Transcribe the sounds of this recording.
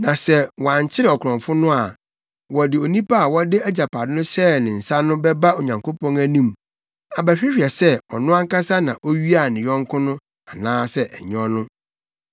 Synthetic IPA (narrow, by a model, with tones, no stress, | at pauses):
nã˨sɛ˦wɔ˨ã˨ɲ˨t͡ɕʰɪ˦ɾɛ˨ɔ˨kʰɔ̃˨ɱfʊ˦nʊ̃˦a˨ | wɔ˨dɪ˨o˨nĩ˦pʰa˦a˨wɔ˦dɪ˦æ˦d͡ʑa˨pʰa˨dɪ˦nʊ̃˦ɕɛ˦nɪ̃˨n̩˨sa˦nʊ̃˦bɛ˦ba˦o˨ɲã˨ŋko˦pʰɔ̃˦næ˦nũ˦m | a˨bæ˨ɕᶣi˦ɕᶣɛ˨sɛ˦ɔ˨nʊ̃˦a˦ŋ̩˦ka˦sa˦nã˨ʔo˦ɥi˦a˨nɪ̃˨jɔ̃˦ŋ˦kʰʊ̃˦nʊ̃˦ | a˨nãː˦sɛ˦ʔɛ˨ɲ˦ɔ˦nʊ̃˦